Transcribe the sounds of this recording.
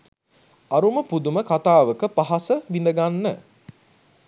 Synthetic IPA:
aɾuməpud̪uməkat̪aːʋəkəpaɦasəʋind̪əɡanːə

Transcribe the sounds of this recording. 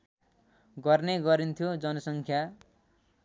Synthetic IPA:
ɡʌrneɡʌɾint̪ʰjod͡zʌnʌsʌŋkʰja

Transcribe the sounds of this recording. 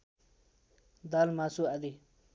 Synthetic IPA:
d̪aːlmasuad̪i

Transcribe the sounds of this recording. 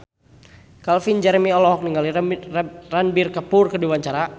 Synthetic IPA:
kalfind͡ʒɛɾmiɔlɔɦɔk̚niŋɡali | ranbɪrkapʊrkədiwaɲt͡ʃaɾa

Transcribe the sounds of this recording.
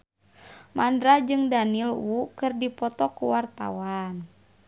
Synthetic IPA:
mʔandɾad͡ʒɨŋdanilwukɨrdipɔt̪ɔkuwart̪a̰wan

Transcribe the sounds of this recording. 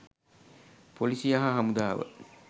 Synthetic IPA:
polisiaɦaɦɐmud̪aːʋə̰

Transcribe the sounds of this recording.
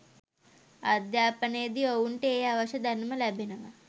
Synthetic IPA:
ɐd̪jaːpɐnejəd̪iowuɳʈeeːaʋɐʃɐd̪ɐnumɐlɛbenəʋɐ

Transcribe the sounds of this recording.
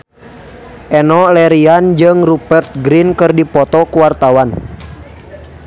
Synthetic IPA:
ʔɛnɔlɛɾiand͡ʒɨŋrupɛrt̪̚ɡɾinkɨrdipɔt̪ɔkuwart̪awan

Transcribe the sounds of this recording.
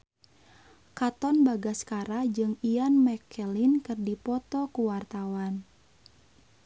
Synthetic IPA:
kat̪ɔnbaɡaskaɾad͡ʒɨŋianmɛkʰɛlinkɨrdipɔt̪ɔkuwart̪awan

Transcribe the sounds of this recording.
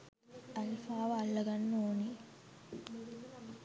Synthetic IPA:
ɐlfaːʋɐɐlːɐɡɐnːoːni

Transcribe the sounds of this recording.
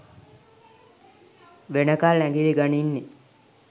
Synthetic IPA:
ʋenəkalnæŋɡiɭiɡaninːi

